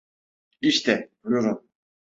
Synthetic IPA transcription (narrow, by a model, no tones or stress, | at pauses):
iʃt̪ʰɛuljoɾum